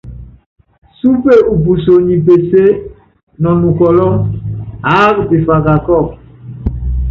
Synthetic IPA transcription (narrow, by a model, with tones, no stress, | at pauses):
su˦pe˦˨u˨p̬u˨so˨ɲi˨p̬e˨se˦ | nɔ˨nu˨kɔ˨lɔ˦ŋ | a˨˦kpe˨fa˨ka˨kɔ˦˨k̚